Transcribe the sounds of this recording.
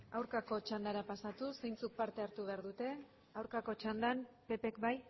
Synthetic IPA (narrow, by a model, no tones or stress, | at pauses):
awɾkako̞t͡ʃand̪aɾapasat̪use̞jnt͡suk̚paɾt̪e̞aɾt̪uβ̞e̞aɾðut̪e̞ | awɾkako̞t͡ʃand̪anpe̞pe̞kbaj